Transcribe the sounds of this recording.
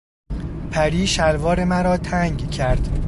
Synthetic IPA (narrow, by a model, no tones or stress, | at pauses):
pʰæɾiːʃælvɒːɾemæɾɒːt̪ʰæŋɡcʰæɾd̪̥